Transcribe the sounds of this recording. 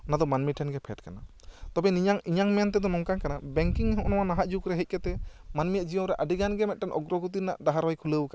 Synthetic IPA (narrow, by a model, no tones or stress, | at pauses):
ɔnad̪ɔmanmiʈʰɛnɡɛpʰɛʈkana | t̪ɔbɛniɲaŋiɲaŋmɛnt̪̬ɛd̪ɔnɔmkankanabɛŋkiŋɦɔ̃ʔnɔwanaɦaʔd͡ʒukɾɛɦɛc̚ˀkɛt̪ɛmanmijaʔd͡ʒijɔɾɛʔaɖiɡanɡɛmɛt̪̚ʈɛnʔɔɡɾɔɡut̪̬ina̰ʔɖaɦaɾwajkʰuləwka